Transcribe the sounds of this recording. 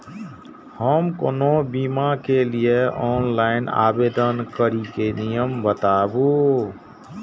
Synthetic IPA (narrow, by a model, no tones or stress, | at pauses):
həmko̰nobimakelijeɔːnlaːɪna̰ːbeːd̪ənkəɾikenijəmbət̪aːbu